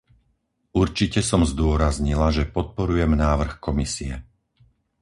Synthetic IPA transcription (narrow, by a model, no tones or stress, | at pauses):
uɾt͡ʃicɛsɔmzd̪ʊɔɾazɲilaʒɛpɔt̪̚pɔɾujɛmnaːʋr̩xkɔmisiɛ̰